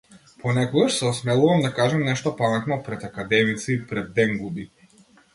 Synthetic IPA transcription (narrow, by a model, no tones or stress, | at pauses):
pɔnɛkɔɡaʃsɛɔsmɛlˠuvamd̪akaʒɛmnɛʃt̪ɔpamɛt̪nɔpɾɛt̪akad̪ɛmit̪siipɾɛd̪ːɛŋɡubi